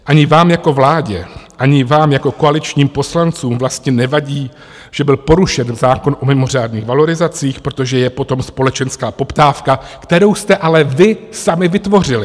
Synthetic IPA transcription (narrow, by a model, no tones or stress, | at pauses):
ʔaɲɪvaːmjako̞vlaːɟɛʔaɲɪvaːmjako̞ko̞alɪt͡ʃɲiːmpo̞slant͡suːmvlast̪ɲɛnɛvaɟiː | ʒ̥ɛbɪlpo̞ɾuʃɛnzaːko̞nʔo̞mɪmo̞r̝aːdniːɣvalo̞ɾɪzat͡siːxpɾo̞t̪o̞ʒɛjɛpo̞t̪o̞mspo̞lɛt͡ʃɛnskaːpo̞pt̪aːfkakt̪ɛɾo̞wst̪ɛʔalɛvɪsamɪvɪt̪vo̞r̝ɪlɪ